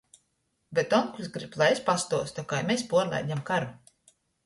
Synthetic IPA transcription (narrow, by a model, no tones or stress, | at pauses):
bet̪ɔŋkusɡɾiblˠajespast̪uɔst̪ɔkajmespuɔɾlʲˠa̰jd̪ʲamkaɾu